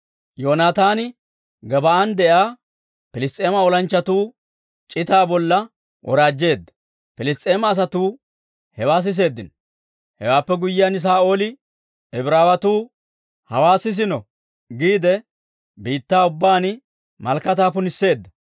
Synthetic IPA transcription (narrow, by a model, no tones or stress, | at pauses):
jo̞ːnaːt̪aːnɪ | ɡɐbɐand̪ɛʔaː | pɪlɪst̪ʼeːmɐɔlɐnt͡ʃːɐt̪uː | t͡ʃʼɪt̪aːbɔlːɐ | wʔɔ̰ɾaːd͡ʒːe̞ːd̪ːɐ̥ | pɪlɪst̪ʼeːmɐːs̬ɐt̪uː | hɛwaːs̬ɪs̬e̞ːd̪ːɪn | hɛwaːpːɛɡʊjːɪjɐnɪs̬aːo̞ːlɪ | ɛbɾaːwɐt̪uː | hɐwaːsɪs̬ɪnɔ | ɡiːd̪ɛ | biːt̪ːaːʊbːaːn | mɐlkːɐt̪aːpʊnɪsːe̞ːd̪ːɐ